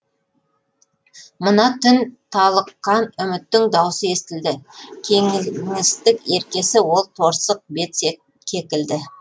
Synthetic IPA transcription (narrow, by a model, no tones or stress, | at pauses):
mənɑt̪ʰʏnt̪ʰɑlˠəqːɑnʏmɪt̪ːɪŋd̪ɑwsəe̞st̪ɪld̪ɪkʲʰeŋɪst̪ɪkʲe̞ɾkʲe̞sɪwo̞lˠt̪ʰo̞ɾsəq̚be̞t̪se | e̞kʲɪld̪ɪ